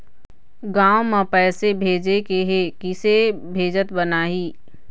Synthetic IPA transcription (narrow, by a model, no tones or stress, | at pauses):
ɡãːwmãpɛːsebʱeːd͡ʒekeɦekɪsebʱeːd͡ʒət̪bənaːɦiː